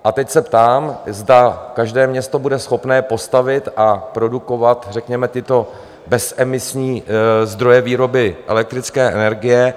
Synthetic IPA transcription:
ʔat̪ɛcsɛpt̪aːmzdakaʒdɛːmɲɛst̪o̞budɛsxo̞pnɛːpo̞st̪avɪt̪ʔapɾo̞duko̞vat̪rɛkɲɛmɛt̪ɪt̪o̞ | bɛsʔɛmɪsɲiːzd̪ɾo̞jɛviːɾo̞bɪʔɛ̰lɛk̚t̪ɾɪt͡skɛːʔɛnɛɾɡɪjɛ

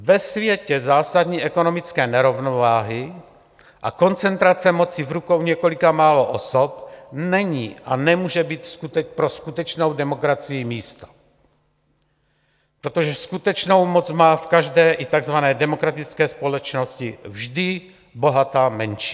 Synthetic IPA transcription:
vɛsvjɛcɛzaːsad̪ɲiːʔɛkonomɪt͡skɛːnɛɾovnovaːɦɪ | ʔa̰ko̞nt͡sɛnt̪ɾat͡sɛmot͡sivɾukowɲɛkolikamaːloʔosopnɛɲiːʔanɛmuːʒɛbiːt̪skut̪ɛpɾoskut̪ɛt͡ʃnowdɛmokɾat͡sijɪmiːst̪ḁ | pɾot̪oʒɛskut̪ɛt͡ʃnowmot͡smaːfkaʒdɛːʔit̪aɡzvanɛːdɛmokɾat̪it͡skɛːspolɛt͡ʃnoscɪvʒdɪ | bo̞ɦat̪aːmɛnʃi

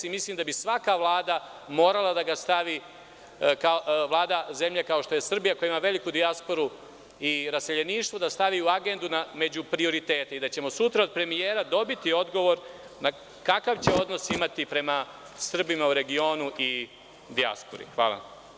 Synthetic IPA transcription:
imislimd̪abisʋakaʋlˠaːd̪a | mo̞ːɾalˠad̪aɡast̪aʋi | kaoʋlˠaːd̪aze̞mʎekao̞ʃt̪o̞je̞sr̩bijako̞jaimaʋe̞likud̪iaspo̞ɾu | iɾase̞ʎe̞niːʃt̪ʋo̞d̪ast̪aʋiːuaɡe̞nd̪uname̞d͡ʑupɾio̞ɾit̪e̞ːt̪eid̪at͡ɕe̞mo̞sut̪ɾao̞d̪̚pɾe̞mijeːɾad̪o̞bit̪io̞d̪ɡo̞ʋo̞ɾ | na | kakaʋt͡ɕe̞o̞d̪no̞simat̪ipɾe̞ma | sr̩bimauɾe̞ɡio̞ːnuʔi | d̪ia̰spoɾḭxʋa̰ːla̰

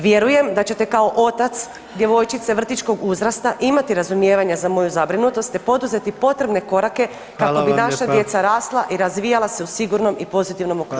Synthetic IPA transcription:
ʋje̞ɾuje̞md̪at͡ɕe̞t̪e̞kao̞ʔo̞t̪at̪s | d̪je̞ʋo̞jt͡ʃit̪se̞ʋr̩t̪it͡ʃko̞ɡuzɾast̪aʔimat̪iɾazumje̞ːʋaɲazamo̞juzabɾinut̪o̞st̪epo̞d̪uze̞t̪ipo̞t̪ɾe̞bne̞ko̞ɾake̞ | kako̞binaʃad̪je̞t̪saɾaːslˠaʔiɾazʋijalase̞usiɡuɾno̞mipo̞zit̪iʋno̞moku

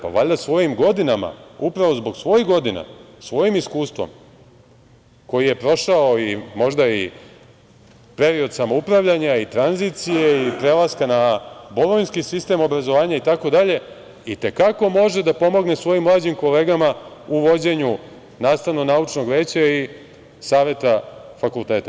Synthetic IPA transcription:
pa̰ʋaʎd̪asʋo̞jimɡo̞d̪inama̰upɾaʋo̞zbo̞ɡsʋo̞jiɣɡo̞d̪ina̰ | sʋo̞jimiskuːst̪ʋo̰m | ko̞jije̞pɾo̞ʃaoimo̞ʒd̪ai | pe̞ɾio̞d̪samo̞upɾaʋʎaɲait̪ɾanzit̪sije̞ipɾe̞lˠaskanaboɾoʋinskisist̪e̞mo̞bɾazo̞ʋaːɲait̪ako̞d̪aʎe̞ | it̪e̞kako̞mo̞ʒed̪apo̞mo̞ɡnesʋo̞jimlˠaːd͡ʑimko̞le̞ːɡamauʋo̞d͡ʑe̞ɲu | naːst̪aʋnonaut͡ʃno̞ɡʋe̞ːt͡ɕai | saːʋe̞t̪afakulˠt̪e̞ːt̪a

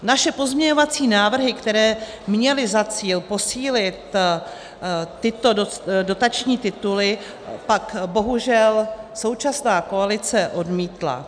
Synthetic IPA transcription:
naʃɛpo̞zmɲɛɲo̞vat͡siːnaːvr̩ɦɪkt̪ɛɾɛː | mɲɛlɪzat͡siːlpo̞siːlɪt̪ | t̪ɪt̪o̞dodo̞t̪at͡ʃɲiːt̪ɪt̪ulɪ | pakbo̞ɦuʒɛlso̞wt͡ʃasnaːko̞alɪt͡sɛʔo̞dmiːt̪la̰

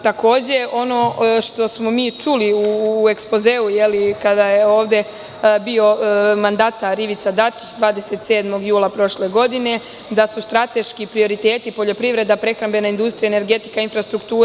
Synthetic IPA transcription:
t̪ako̞ːd͡ʑe̞o̞no̞ʃt̪o̞smo̞miːt͡ʂuliue̞kspo̞ze̞ːujelikad̪ajeo̞ːʋd̪e̞ | bio̞mand̪aːt̪aɾiʋit̪sad̪at͡ʃi̥t͡ɕd̪ʋaːd̪e̞se̞t̪seːd̪mo̞ɡjuːlˠapɾo̞ʃle̞ɡo̞d̪ine̞ | d̪asust̪ɾat̪e̞ʃkipɾio̞ɾit̪e̞ːt̪ipo̞ʎo̞pɾiʋɾe̞d̪apɾe̞xɾambe̞naind̪ust̪ɾijaene̞ɾɡe̞t̪i̥kainfɾast̪ɾukt̪uː

